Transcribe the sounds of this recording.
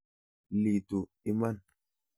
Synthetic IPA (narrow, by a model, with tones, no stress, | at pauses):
li˨tu˨ | i˦ma˦n